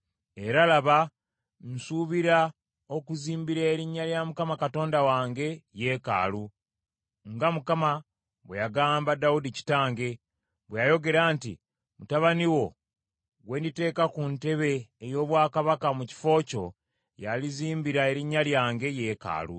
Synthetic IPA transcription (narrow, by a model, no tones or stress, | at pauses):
e̞ɾalaβa | n̩suβiɾa | o̞kuziːmbiɾeːɾiɲːaljamukamakato̞ːndawaːŋɡe̞je̞ːka̰ːlu | ŋɡamukama | βwejaɡaːmbadaudici̥taːŋɡe̞ | βwejajo̞ɡe̞ɾaːntḭ | mutaβaniwo̞ | ɡwe̞ːndite̞ːkakunte̞βe̞ːjo̞ːβwaːkaβakamuci̥fo̞ːco̞̰ | jaliziːmbiɾae̞ɾiɲːaljaːŋɡe̞je̞ːka̰ːlṵ